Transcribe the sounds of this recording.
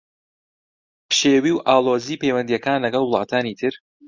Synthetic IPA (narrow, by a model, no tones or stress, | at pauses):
pʃeːwiːwʔaːlˠoːziːpejwɐnd̪ijɛkaːnlɐɡɐlˠwʊlˠɑːt̪ʰaːnit̪ʰɨɾ